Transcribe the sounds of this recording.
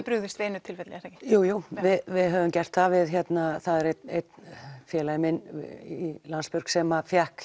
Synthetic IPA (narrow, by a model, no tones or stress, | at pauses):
pɾʏɣðɪst̪veːnʏt̪ʰɪlfɛt̪lɛɣaɾɛcɪ̥juːjuvɪðvɪðɦœːvʏmcɛr̥t̪θavɪðçɛt̪naθaðɛɾet̪ejt̪nfjɛːlajɪmɪnilanspʏɾ̥ksɛmafjahk